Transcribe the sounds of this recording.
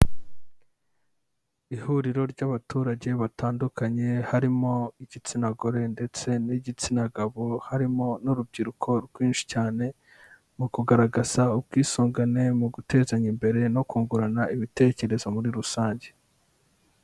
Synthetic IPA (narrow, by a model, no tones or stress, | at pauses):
ihuɾiɾo̞ɾɟaβatʰuːɾaɟe̞βataːndukaɲe̞haɾimo̞iɟit͡sinaɡoɾe̞nde̞t͡se̞niɟit͡sinaɡaβohaɾimo̞nuɾub̚ɟiɾukʰo̞ɾɡwiːnʃi̥caːne̞ | mukuɡaɾaɡaz̥aubɡiːsoːŋɡane̞muɡute̞ːzaɲimbe̞ɾe̞no̞kuːŋɡuɾanaiβite̞ːce̞ɾe̞zo̞muɾiɾusaːɲɟe̞